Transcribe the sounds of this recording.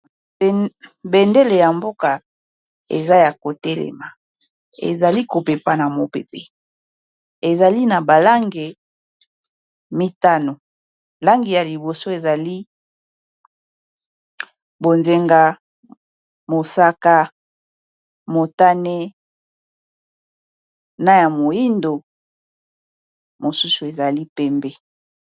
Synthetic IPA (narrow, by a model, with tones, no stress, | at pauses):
be˨nde˦le˨ja˨mbo˦ka˨ | ḛ˨za˦ja˨ko˨tɛ˦lɛ̰˨ma˨ | ḛ˨za˨li˦ko˨pe˨pa˦na˨mo˨pḛ˨pe˦ | e˨za˨li˦na˨ba˨la˦ŋɡe˨ | mi˦ta˦no˨ | la˦ŋɡi˨ja˨li˨bo˨so˦e˨za˨li˦ | bo˨nze˦ŋɡa˦ | mo˨sa˦ka˦ | mo˨ta˦ne˦ | na˦ja˨mo˨ji˦ndo˨ | mo˨su˦su˨e˨za˨li˦pɛ˦mbe˦